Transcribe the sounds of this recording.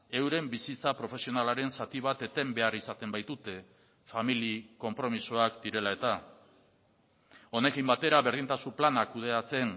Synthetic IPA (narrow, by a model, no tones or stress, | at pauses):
e̞wɾe̞mbisit͡sapɾo̞fe̞sio̞nalaɾe̞nsat̪iβ̞at̪e̞t̪e̞mbe̞arisat̪e̞mbajt̪ut̪e̞ | familiko̞mpɾo̞miso̞akd̪iɾe̞lae̞t̪a | o̞ne̞kimbat̪e̞ɾaβe̞ɾð̞int̪asuplanakuð̞e̞at͡se̞n